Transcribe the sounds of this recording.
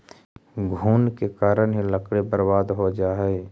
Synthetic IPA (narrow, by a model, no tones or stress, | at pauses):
ɡʱuːnkekaːɾənɦiləkɽebəɾbaːd̪ɦod͡ʒaːɦe